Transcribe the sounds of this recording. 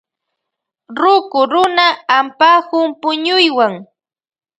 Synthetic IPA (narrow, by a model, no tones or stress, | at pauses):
ɾʊkʊɾʊnaːmpahʊmpʊɲʊjwaŋ